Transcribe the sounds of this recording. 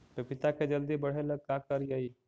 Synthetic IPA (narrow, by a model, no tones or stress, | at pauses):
t̪opit̪aked͡ʒəld̪ibəɽ̤eləɡ̚kakəɾijəi